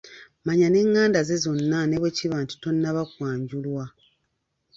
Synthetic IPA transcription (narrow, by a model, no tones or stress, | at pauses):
maɲane̞ŋːaːndaze̞zo̞nːane̞βweciβaːntu̥to̞nːaβakwaːɲɟulwa